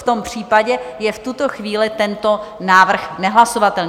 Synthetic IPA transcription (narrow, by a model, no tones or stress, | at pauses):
ft̪o̞mpr̝̥iːpaɟɛjɛft̪ut̪o̞xviːlɪt̪ɛnt̪o̞naːvr̩xnɛɦlaso̞vat̪ɛlɲ